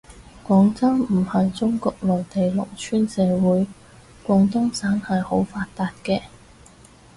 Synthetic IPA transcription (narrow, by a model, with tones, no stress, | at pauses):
kʷɔː˨˧˥ŋt͡sɐ˥wmm̩˨˩hɐ˨jt͡sʊ˥ŋkɔː˧k̚lɔː˨˩jt̪e˨jlʊ̰˨k̚t͡ʃʰyː˥nsɛː˨˧wuː˨˥j | kʷɔː˨˧ŋt̪ʊ˥ŋsaː˨˥nhɐ˨jho˨˥wfaː˧t̚t̪ːaː˧t̚kɛː˧